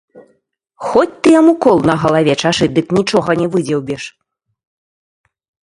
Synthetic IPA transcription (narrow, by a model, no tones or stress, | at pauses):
xɔt͡sʲt̪ɨjamukɔlˠnɐɣɐlˠavʲɛt͡ʂaʂɨd̪ɨknʲit͡ʂɔɣɐnʲɛvɨd͡zʲɛwbʲɛʂ